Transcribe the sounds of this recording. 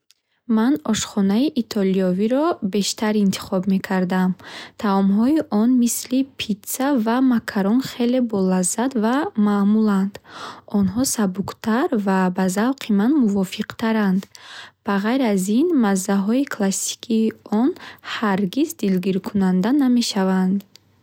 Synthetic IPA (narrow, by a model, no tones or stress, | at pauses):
manɔʃχɔnaiʔit̪ʰɔliɔviɾɔbe̞ʃt̪ʰaɾint̪ʰi̥χɔbme̞kʰaɾd̪amt̪ʰaɔmɦɔiʔɔnmislipʰit̪savamakʰaɾɔnχe̞le̞bɔlazːat̪vamamuland̪ɔnɦɔsabuqt̪ʰaɾvabazavqʰimanmuvɔfiqt̪ʰaɾand̪b̥aʁajɾazinmazːaɦɔikʰlasi̥kʰiːɔnhaɾɡizd̪ilɡiɾkʰunand̪aname̞ʃavand̪